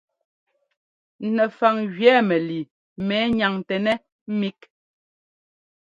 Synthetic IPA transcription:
nɛ˨fa˨ŋɣɥɛː˨˦mɛ˨li˨ | mɛː˨˦ɲa˨ŋtɛ˨nɛ˦ | m̩˦mi˦k̚

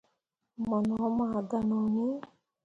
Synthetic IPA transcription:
ma˨nɔ˨˦ma˨ɡa˨nɔ˨ni˦

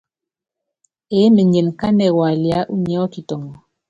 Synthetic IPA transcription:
e˨˦me˨ɲe˨n˨ka˦nɛ˨wa˨lja˦ʔu˦ɲɛ˦ɔ˦ki˨tɔ˨ŋɔ˨

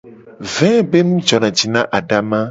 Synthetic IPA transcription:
vɛ̃˦be˦mũ˦d͡ʒɔ˨nã˨d͡ʒi˨nã˦ʔa˨ɖa˦mã˦

